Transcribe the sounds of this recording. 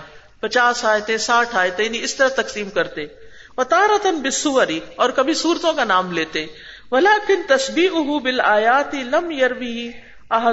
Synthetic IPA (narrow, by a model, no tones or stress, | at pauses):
pɐt͡ʃaːsaːjt̪ẽsaːʈʰaːjt̪ẽɪniɪst̪ɐɾat̪ɐksiːmkɐɾt̪e | ʋɐt̪aːɾɐt̪ɐnbɪsːʊʋɐɾiɔːɾkɐbʱisuːɾt̪õkanaːmleːt̪e | ʋɐlaːkɪnt̪ɐsbiːʔʊɦubɪlaːjaːt̪ɪlɐmjɐɾʋiɦi | ɐɦɐ